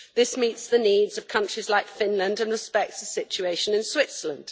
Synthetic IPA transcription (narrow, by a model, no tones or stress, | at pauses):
ðɪsmitsðəniːdz̥ʌv̥kʰʌ̃nt͡ʃɹ̥izlaɪkfɪ̃nlə̃ndə̃nɹɨspɛk̚tsəsɪt͡ʃʉeɪʃə̃nɨ̃nswɪtsələ̃nd̥